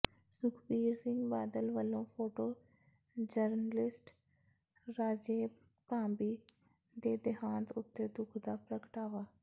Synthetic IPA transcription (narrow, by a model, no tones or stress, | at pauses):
sʊkʰbiːɾsɪ̃ŋɡbaːd̪əlʋəlːõːpʰoːʈoː | d͡ʒəɾnəlɪsʈ | ɾaːd͡ʒeː | pãːmbiː | d̪eːd̪ɪɦaːnt̪ʊt̪ːeːd̪ʊkʰd̪aːpɾəkəʈaːʋaː